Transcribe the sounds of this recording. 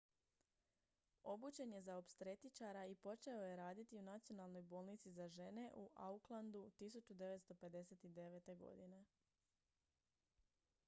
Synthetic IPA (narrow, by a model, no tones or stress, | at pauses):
o̞but͡ʃe̞nje̞zaopst̪ɾe̞t̪it͡ʃaɾaipo̞t͡ʃe̞o̞je̞ɾaːd̪it̪iunat̪sijo̞nalˠno̞jbo̞ːlˠnit̪sizaʒe̞ne̞ʔuʔauklˠand̪ut̪is̬ut͡ʃud̪e̞ʋe̞t̪st̪o̞pe̞d̪e̞se̞t̪id̪e̞ʋe̞t̪e̞ɡo̞̰d̪ine̞